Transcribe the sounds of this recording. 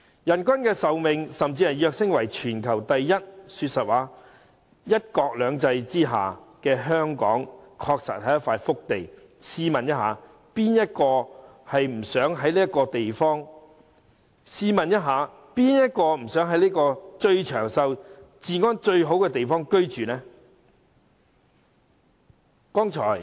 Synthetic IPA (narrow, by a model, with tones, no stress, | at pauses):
jɐ˨˩nkʷɐ˥nkɛː˧sɐ˨wmɪ˨ŋsɐ˨mt͡siː˧hɐ˨jœː˧k̚sɪ˥ŋwɐ˨˩jt͡ʃʰyː˨˩nkʰɐ˨˩wt̪ɐ˨jːɐ˥t̚syː˧t̚sɐ˨t̚waː˨˥ | jɐ˥t̚kɔː˧k̚lœː˨˧ŋt͡sɐ˧jt͡siː˥ɦa̰ː˨˩kɛː˧ɦœː˥ŋkɔ̰ː˨˥ŋkʰɔː˧k̚sɐ̰˨t̚hɐ˨˥jɐ˥faː˧jfʊ˥k̚t̪e˨j | siː˥mɐ˨njɐ˥t̚ɦa̰ː˨˧ | piː˥njɐ˥t̚kɔː˧hɐ˨jm̩˨˩sœː˨˥ŋɦɐ˨˥jliː˥ɐ˥kɔː˧t̪e˨jfɔː˥ŋ | siː˧mɐ˨njɐ˥t̚ɦaː˨ | piː˥njɐ˥t̚kɔː˧m̩˨˩sœː˨˥ŋɦɐ˨˥jliː˥kɔː˧t͡ʃɵ˧ɥt͡ʃʰœː˨˩ŋsɐ˧wt͡siː˨˧ŋɔː˥nt͡ʃɵ˧ɥɦo˨˥wkɛː˧t̪e˨jfɔː˥ŋkɵ˥ɥt͡ʃyː˨nɛː˥ | kɔː˥ŋt͡ʃʰɔ̰ː˨˩j